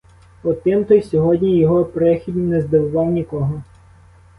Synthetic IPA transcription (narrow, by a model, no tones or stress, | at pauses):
ɔt̪ɪmt̪ɔjsʲɔɦɔdʲnʲijɔɦɔpɾɛxʲid̪ʲiwnɛzd̪ɪwʊʋɑwnʲikɔɦɔ